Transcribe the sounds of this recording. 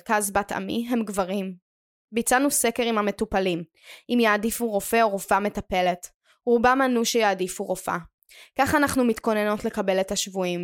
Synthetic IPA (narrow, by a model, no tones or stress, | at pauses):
kazbata̰mḭɦe̞mɡvaʁim | bit͡sanuse̞ke̞ʁimhame̞tupalim | ʔimjaːdifuʁo̞fe̞oʁo̞fame̞tape̞le̞t | ʁubamanuʃejaːdifuʁofa̰ | kaχanaχnumitko̞ne̞no̞tle̞kabe̞le̞thaʃvuim